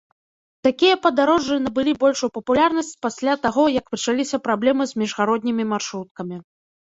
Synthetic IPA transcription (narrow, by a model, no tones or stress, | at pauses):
t̪akʲijɐpɐd̪aɾɔʐːɨnɐbɨlʲibɔlʲʂujpɐpulʲarnɐsʲt͡sʲpasʲlʲat̪aɣɔjɐkpɐt͡ʂalʲisʲɐpɾablʲɛmɨzʲmʲiʐɣaɾɔd̪ʲnʲimʲimarʂɾut̪̚kɐmʲi